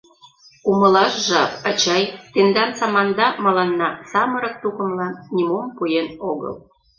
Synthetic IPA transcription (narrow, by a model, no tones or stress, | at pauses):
uməlɑʃʒɑpɑt͡ɕɑjt̪end̪ɑnsɑmɑnd̪ɑmɑlɑnːɑsɑməɾɤ̆k̚t̪ukə̆mlɑnːʲimompujenoɣə̰l